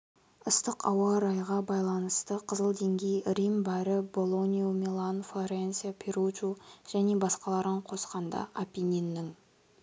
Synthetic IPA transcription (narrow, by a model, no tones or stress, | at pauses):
ʊst̪əqɑwɑɾɑjʁɑbɑjlˠɑnəst̪əqʰəzəlˠd̪e̞ŋɡʲe̞jrimbæɾɪbo̞lˠo̞nʲiomʲilˠanflˠoɾensʲiapʲʰeɾut͡ʃuʒ̥æne̞bɑsqɑlˠɑɾəɴqʰo̞sqɑnd̪ɑ̰ʔapʲinʲinːɪŋ